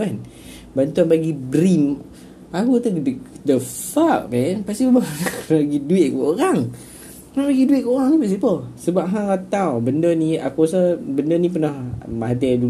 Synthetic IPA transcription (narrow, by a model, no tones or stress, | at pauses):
an | bant̪uanbaɡibɾim | akut̪udəfak̚mɛnpast̪ibəbakənlaɡiduɪʔ̪̚kə̰ʔoɾaŋ | ənalaɡiduɪʔ̪̚kəoɾaŋnipaʔs̬ipəsəbapɦaɾat̪awbəndəniakusəbəndənip̬ənahmaɦat̪̬ɛdu